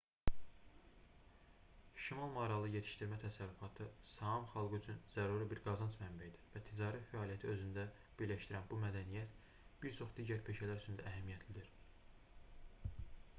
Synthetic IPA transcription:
ʃimɑlˠmɑɾɑlˠɯje̞t̪ʰi̥ʃt̪iɾmæt̪ʰæsæɾːyfɑt̪ʰɯsɑɦɑmχɑlˠɡɯyt͡ʃʰynz̥æɾuɾibiɾɡɑzɑnsmæmbæid̪ivæt̪ʰid͡ʒɑːɾifæɑːlˠijæt̪ʰiø̞zynd̪æ | b̥iɾlæʃt̪iɾænbumæd̪ænijæt̪ | b̥iɾt͡ʃʰo̞χd̪iːɟæɾpʰe̞ʃælæɾyt͡ʃʰynd̪æʔæɦæmijæt̪ʰlid̪iɾ

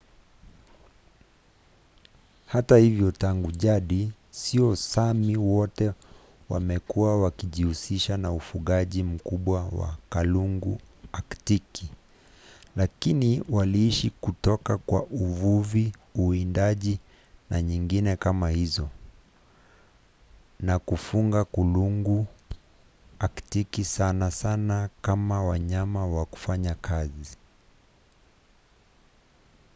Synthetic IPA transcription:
hatahivjɔtaŋɡuʄaɗi | siɔsamiwɔtɛ | wa̰mɛkuawakiʄihusiʃanaufuɠaʄim̩kuɓwawa̰kaluŋɡu | aktiki | lakiniwaliiʃikutɔkakwa̰ʔuvuviuindaʄi | naɲiŋɡinɛkamahizɔ | nakufuŋɡakuluŋɡu | aktikisanasanakamawaɲamawaku̥faɲakʰazi

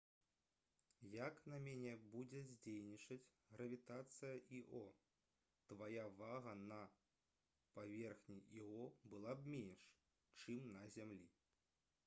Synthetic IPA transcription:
jaknɐmʲanʲɛbud͡zʲɛzʲd͡zʲejnʲit͡ʂɐt͡sʲ | ɣɾɐvʲit̪at̪sɨjɐʔiʔɔ | t̪vajavaɣɐnɐ | pavʲɛrxnʲiiɔbɨlˠabmʲenʂ | t͡ʂɨmnɐzʲamlʲḭ

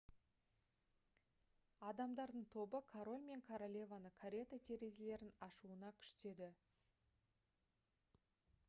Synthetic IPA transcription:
ɑd̪ɑmd̪ɑɾd̪əɴt̪ʰo̞bəkʰaɾo̞lʲme̞ŋkʰaɾolʲe̞vanəkʰaɾʲe̞t̪at̪ʲʰe̞ɾe̞zele̞ɾɪnɑʃuənɑkʲʰʏ̥ʃt̪e̞d̪ɪ

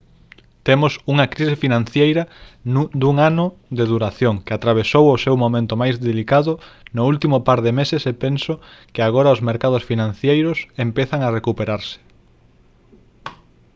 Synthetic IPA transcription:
t̪emʊsuŋɐkɾisɪfinãnθjejɾɐ | d̪uŋanʊðeðuɾaθjoŋkeat̪ɾaβ̞esowʊsewmomẽnt̪omajzðelikaðʊnʊult̪imʊpaɾðemesɪsepensokɪaɣ̞oɾaɐʊzmeɾkað̞ʊsfinãnθjejɾʊsempeθaŋarekupeɾaɾsɪ̥

